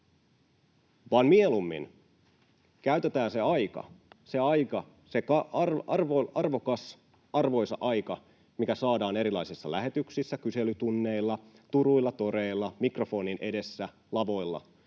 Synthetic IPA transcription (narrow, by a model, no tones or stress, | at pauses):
ʋɑːnmie̞lumːḭn | kæyt̪et̪æːnseɑjkɑ̰se̞ɑjkɑ | se̞kɑrɑrʋoʔɑrʋo̞kɑs | ɑrʋo̞jsɑ̰ʔɑjkɑ | mikæsɑːdɑːne̞ɾilɑisisːɑ̰læɦe̞t̪yksisːækyse̞lyt̪unːe̞ilːɑ | t̪uɾuilːɑt̪o̞ɾe̞ilːɑmikro̞fo̞ːninʔe̞de̞sːæ | lɑʋo̞jlːɑ̰